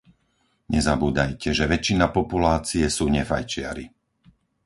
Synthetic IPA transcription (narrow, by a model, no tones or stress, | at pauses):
ɲɛzabuːd̪ajcʰɛʒɛʋɛt͡ʃːinapɔpulaːt͡siɛsuːɲɛfajt͡ʃɪa̰ɾi